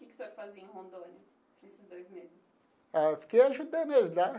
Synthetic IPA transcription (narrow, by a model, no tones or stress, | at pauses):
kʲkɪ̥sɛfazeẽɦõnd̪õnʊ | nesɪzd̪ojzmezɪs | aefi̥kejaʒud̪ɐ̃nɐzd̪a